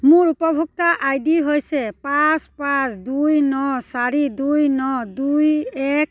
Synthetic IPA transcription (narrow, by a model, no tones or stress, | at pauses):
mʊɾupɔbʱuk̚taʔajdiɦojsɛpaspãsʰdujnɔsaɾidujnɔdujɛk̚